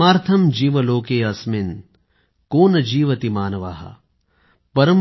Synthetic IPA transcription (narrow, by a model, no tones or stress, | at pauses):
aːɾt̪ʰɐmd͡ʒiːʋɐloːkeːɐsmin | koːnɐd͡ʒiːʋɐt̪imaːnɐʋa̰ːɦɐ̰ | pɐɾɐm